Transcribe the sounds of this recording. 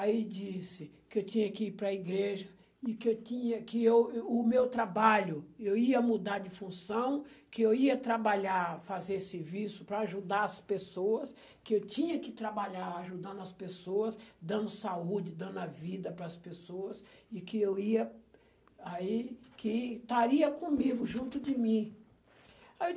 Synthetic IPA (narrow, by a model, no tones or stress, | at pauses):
aid͡ʒisɪkɪewt͡ʃĩɲɐkɪiɾpɾɐiɡɾeʒɐ | ɪkɪewtĩɲɐkɪewʊmewt̪ɾabaʎʊewiɐmud̪aɾd͡ʒɪfũsɐ̃w̃kɪewiɐt̪ɾabaʎafazeɾseɾvisʊpɾɐːʒud̪aɐspesoɐs | kɪewt͡ʃĩɲɐkɪt̪ɾabaʎaɾaʒud̪ɐ̃nd̪ʊɐspesoɐsd̪ɐ̃nd̪ʊsaud͡ʒɪd̪ɐ̃nd̪ʊɐvid̪ɐpɾɐːspesoɐsɪkɪewiɐ | aikɪt̪aɾiɐkõmiɡʊʒũnt̪ʊd͡ʒɪmĩ | e